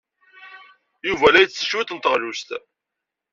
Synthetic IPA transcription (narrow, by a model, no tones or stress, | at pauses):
juvælæjət͡sːə̥ʃwit̪ənt̪əʁlust̪æ